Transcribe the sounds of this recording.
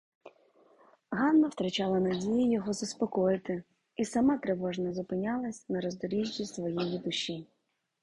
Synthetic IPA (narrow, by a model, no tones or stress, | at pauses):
ɦɑnːɐwt̪ɾɐt͡ʃɑlˠɐnɐdʲijʊjɔɦɔzɐspɔkɔjɪt̪ɪ | isɐmɑt̪ɾeʋɔʒnɐzʊpɪnʲɑlˠɐsʲnɐɾɔzd̪ɔɾʲiʒʲːisʋɔjijid̪ʊʃːi